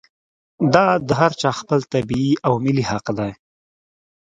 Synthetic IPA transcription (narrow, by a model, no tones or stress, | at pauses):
d̪ɑd̪əɦaɾt͡ʃɑxpəlt̪abiiawmɪlihaqd̪aj